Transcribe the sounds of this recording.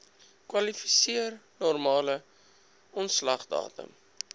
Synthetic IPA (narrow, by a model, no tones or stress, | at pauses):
kwɐlifi̥siərnɔrmɑːlə | ɔntslɐχdɑ̰ːtə̰m